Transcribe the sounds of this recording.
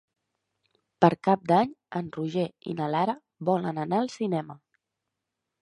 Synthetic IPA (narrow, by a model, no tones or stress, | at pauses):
pəɾkap̚d̪aɲənruʒeḭnəlaɾə | βɔlənənaəlˠsinɛmə